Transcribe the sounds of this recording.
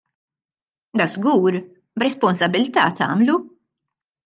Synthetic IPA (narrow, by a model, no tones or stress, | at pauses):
d̪ɐzɡuːɾ | bɾɛspɔnsɐbɪlt̪ɐːt̪ɐ̰ːmlu